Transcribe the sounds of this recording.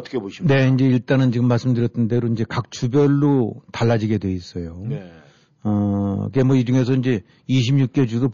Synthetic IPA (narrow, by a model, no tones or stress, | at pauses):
tʰkʰbone̞ind͡ʑe̞iɭt͈anɯnt͡ɕiɡɯmːaɭs͈ɯmdɯɾjʌtʰɯnde̞ɾoind͡ʑe̞kak̚t͡ɕubjʌɭːotaɭːad͡ʑiɡe̞dwe̞is͈ʌjon | ʌikemwʌid͡ʑuŋe̞s̬ʰʌind͡ʑe̞ | iɕʰimɲuk̚k͈e̞d͡ʑudo